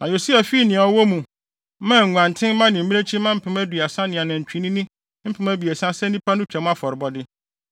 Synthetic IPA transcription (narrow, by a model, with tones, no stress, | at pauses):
nã˨jo˨si˦a˨fi˦˨nɪ̃˨ɔ˨wɔ˦mũ˨˦ | mã˦˨ŋ̩˨ŋʷ˨ã˨n˨tʰɪ̃˦m˦mã˦nɪ̃˨m̩˨˦ĩ˦e˦t͡ɕʰĩ˦mã˦m̩˦pʰɪ̃˨mæ˦dɥa˨sã˦nɪ̃˨a˨nã˨ɲ̩˨t͡ɕᶣĩ˨nĩ˦nĩ˦ | m̩˦pʰɪ̃˨mæ˦bi˨e˨sã˦sɛ̃˦nĩ˦pʰa˦nʊ̃˦t͡ɕᶣɛ˨˦m̃˦a˦fɔ˨ɾɪ˨bɔ˦dɪ˦